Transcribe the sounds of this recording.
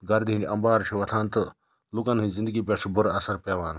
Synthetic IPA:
ɡɐɾd̪iɦĩniʔɐmbaːɾt͡ʃʰiʋɐt̪ʰaːnt̪ɨ | lukɐnɦĩzind̪əɡip̬ʲaːt͡ʃʰibuɾɐsɐɾpeːʋaːn

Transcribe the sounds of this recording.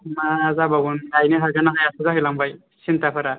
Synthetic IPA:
maːzabaɡunajnɯɦaɡanaɦajasuzaɦilambaj | sintapʰaɾa

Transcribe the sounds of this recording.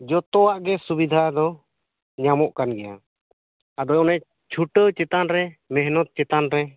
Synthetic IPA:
d͡ʒɔt̪ɔwaʔɡɛsubid̪ʱad̪ɔ | ɲamɔʔkanɡɛja | ad̪ɔɔnɛ | t͡ʃʰuʈət͡ʃɛt̪anɾɛmɛɦnɔt̪̚t͡ʃɛt̪anɾɛ

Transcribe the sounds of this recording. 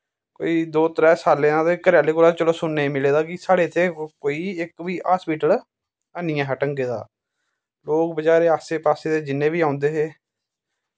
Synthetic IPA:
ko̰ːiːd̪oːt̪əɾɛːsaːlẽːãːt̪ekəɾjaːleːkʊlaːt͡ʃəloːsʊnːeiːmɪleːd̪aːkɪsaːɽeːt̪ʰːeːkoːiːɪkʋiːʔaːspiːʈəl | ənɪjãːɦəʈəŋɡeːd̪a̰ː | loːk̚bəd͡ʒaːɾeːaːseːpaːseːd̪eːd͡ʒɪnːẽːʋiːãːnd̪eːɦeː

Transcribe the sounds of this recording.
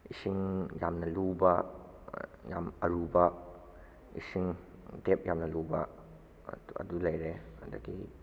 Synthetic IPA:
isiŋjamnɐluba | ja̰mɐɾubɐ | ḭsiŋ | dep̚jamnɐlubɐ | ɐ̰dulajɾeɐda̰ɡi

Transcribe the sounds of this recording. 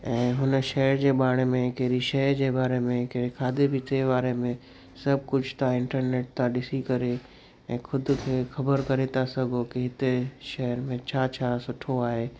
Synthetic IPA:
ɛ̃ːɦʊnʃɛɦɾd͡ʑeːɓaːɽ̃mẽkeɾiʃɛɦd͡ʑebaːɾemẽkeɾekʰaːd̪ebʱɪt̪ebaːɾemẽ | sɐbʱkʊd͡ʑʱʰt̪ãɪ̃ɳʈəɾneːʈ̚t̪ãɗɪsikɐɾe | ɛ̃ːxʰʊd̪kʰeːxɐbəɾkɐɾet̪ʰasɐɡʱokiɦɪt̪eʃɛɦəɾmẽt͡ɕʰat͡ɕʰasʊʈʰoaːɦeː

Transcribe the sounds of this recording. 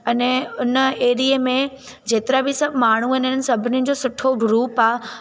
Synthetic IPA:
ɐnɛʊnəeːɾiəmẽ | d͡ʑeːt̪ɪɾabɪsɐbʱmaːɳ̤uɦɪnɦɪnnɪ̆sɐbʱɪnɪʊ̃d͡ʑoːsʊʈʰobʱɾuːpaː

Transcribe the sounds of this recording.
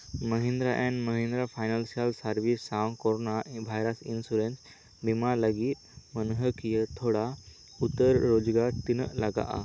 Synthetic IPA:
məɦĩnd̪ɾaʔɛ̃nməɦẽnd̪ɾafajnəlsalsaɾʋisːawnkoɾonaʋʱajɾəsinsuɾens | bimaləɡiːt̪̚mənɦəkijət̪ʰoɽa | ut̪ːəɾːod͡zɡaɾt̪inəlaɡa̰ʔa̰

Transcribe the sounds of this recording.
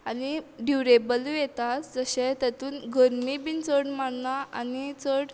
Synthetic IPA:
aniɖjuɾebəljɛt̪atd͡zəɕɛ̃t̪ət̪uːnɡʱəɾmibint͡səɽmaɽnaʔa̰nit͡səɽ

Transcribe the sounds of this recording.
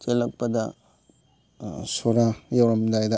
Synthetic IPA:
t͡ʃelɐk̚pɐdɐ | soɾajawɾɐmdajdɐ

